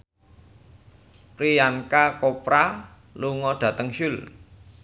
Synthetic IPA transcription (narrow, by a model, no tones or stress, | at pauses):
pɾijankakopɾa | luŋɔɖ̥ä̤t̪əŋʃʊl